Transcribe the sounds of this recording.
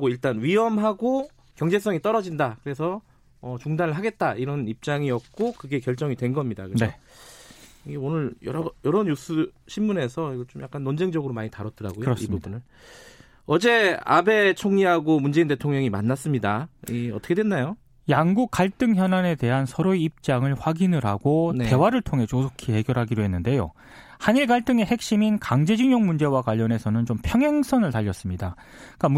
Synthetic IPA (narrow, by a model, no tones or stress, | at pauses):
ɡoiɭt͈anɥiɦʌmɦaɡo | kjʌŋd͡ʑe̞s͈ʌŋit͈ʌɾʌd͡ʑindakɯɾe̞s̬ʰʌ | ʌt͡ɕuŋdanɯɭɦaɡet̚t͈aiɾʌnip̚t͡ɕ͈aŋiʌk̚k͈okɯɡe̞kjʌɭt͡ɕ͈ʌŋidwe̞nɡʌmɲida̰kɯeno | iɡeonɯɭjʌɾʌjʌɾʌnjusʰuɕʰimːune̞sʰʌiɡʌt͡ɕomja̰k͈anːʌnd͡ʑeŋd͡ʑʌɡɯɾomaɲitaɾʌt͈̚ɯɾa̰ɡojosibubunɯɭ | ʌd͡ʑe̞a̰be̞t͡ɕʰoŋɲiɦaɡomund͡ʑe̞inde̞tʰoŋɲʌŋimanːas͈ɯmɲidaiʌt͈ʰʌkʰedwenːajo | jaŋɡuk̚k͈ːaɭt͈ɯŋçjʌnɦane̞te̞ɦansʰʌɾoiip̚t͡ɕ͈aŋɯɭɸwaɡinɯɾɦaɡoe̞waɾɯɭtʰoŋɦe̞t͡ɕosʰokʰiɦe̞ɡjʌɾɦaɡidoɦe̞nːɯnde̞jo̰ | haniɭkaɭt͈ɯŋe̞he̞k̚ɕ͈iminkaŋd͡ʑe̞d͡ʑiŋɲoŋmund͡ʑe̞wakwaʎːʌne̞sʰʌnɯnt͡ɕompʰjʌŋɦaŋsʰʌnɯɭtaʎːʌs͈ɯmɲida | k͈am